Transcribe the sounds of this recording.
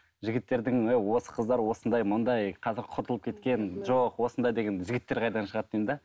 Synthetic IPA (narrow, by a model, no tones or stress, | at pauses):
ʒɪɡʲɪt̪ːe̞ɾd̪ɪŋwewwo̞sə̥qʰəzd̪ɑɾwo̞sənd̪ɑjmʊnd̪ɑjqʰɑzɪɾqʰʊɾt̪əlˠəp̚kʲet̪kʲe̞nʒoqwo̞sənd̪ɑjd̪e̞ɡʲe̞nʒɪɡʲɪt̪ːe̞ɾqʰɑjd̪ɑnʃəʁɑt̪ːejnd̪ɪ